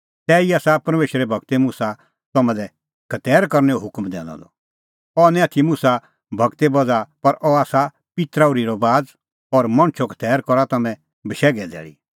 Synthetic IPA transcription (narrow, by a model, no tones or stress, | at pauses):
t̪ɛːiaːsapɐɾmeːʃɾɛbʱɐɡt̪emʊsa | t̪ɐmɛ̃lɛ | kʰɐt̪ɛːɾkɐɾnɛoɦʊkmd̪ɛ̰̃ːnɔ̰d̪ɔ̰ | ɔnɛ̃at̪ʰimʊsa | bʱɐɡt̪ebɔd͡zapɐɾʔɔaːsa | pɪt̪ɾaʊɾiɾɔbaːd͡z | ɔːɾmɐ̃ñt͡ʃʰokʰə̥t̪ɛːɾkɔɾat̪ɐmɛ̃ | bɐʃɛːɡɛd̪ɛ̰ːɭḭ